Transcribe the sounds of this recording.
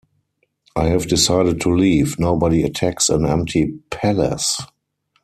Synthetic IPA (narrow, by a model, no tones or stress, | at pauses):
ʔaɪhɛvdɪsaɪɾət̚tʰuliːvnoʊbɔɾiətʰæksə̰̃nɛ̃m̚tʰipʰælə̰s